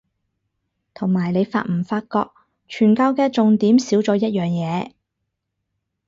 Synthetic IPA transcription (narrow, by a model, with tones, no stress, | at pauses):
t̪ʰʊ˨˩ŋmaː˨˩jne˨˧jfa̰ː˧t̚m̩˨˩faː˧t̚kɔː˧k̚ | t͡ʃʰyː˨˩nkaː˧wkɛː˧t͡sʊ˨ŋt̪iː˨˥msiː˨˥wt͡sɔː˨˥jɐ˥t̚jœː˨ŋjɛː˨˧